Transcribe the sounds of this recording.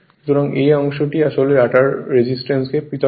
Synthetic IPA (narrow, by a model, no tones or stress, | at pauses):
ʃut̪ʰoɾaŋejɔŋʃoʈiaʃoleɾaʈaɾɾed͡ʑisʈenskepit̪ʰa